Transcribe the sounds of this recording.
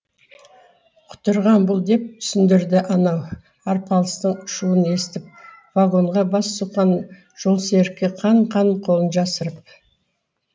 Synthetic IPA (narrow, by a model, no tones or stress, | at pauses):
qʰʊ̥t̪əɾʁɑnbʊlˠd̪e̞p̚t̪ʰʏ̥sɪnd̪ɪɾd̪ɪʔɑnɑw | ɑɾpʰɑlˠəst̪əɴʊʃuəne̞st̪ɪp̚ | vaɡo̞ɴʁɑbɑsːuqɑn | ʒ̥o̞lˠseɾkʲːeqʰɑɴqʰɑɴqʰo̞lˠənʒɑsəɾəp̚